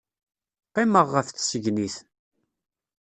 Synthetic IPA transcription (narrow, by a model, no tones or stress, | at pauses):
qːeməʁːəfθsəʝniθ